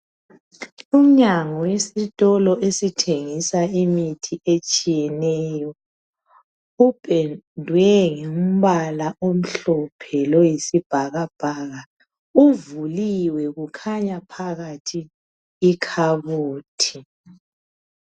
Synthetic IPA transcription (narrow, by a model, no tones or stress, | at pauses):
um̩ɲaŋɔwesitʼɔlɔʔesitʰeŋisaimitʰiet͡ʃʼijɛnɛjɔ | ub̥ʱedʱwɛŋem̩βalaʔom̩ɬɔpʰɛlojisib̥ʱaɣab̥ʱaːɣa | uvuliwɛɣukʰaɲapʰaɣatʰiː | kʰaβuːtʰi